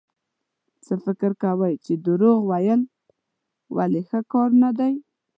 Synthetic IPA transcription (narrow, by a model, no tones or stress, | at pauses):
t͡səfɪkɪɾkawəjt͡ʃed̪əɾoɣwajəl | wʔa̰lexəkɑɾnad̪aj